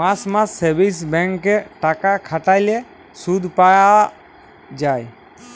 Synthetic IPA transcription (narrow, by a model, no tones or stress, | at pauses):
masmãsebisbɛ̃ŋkːeʈakakʰaʈaɪle | sud̪ʱpaja | d͡ʒaːj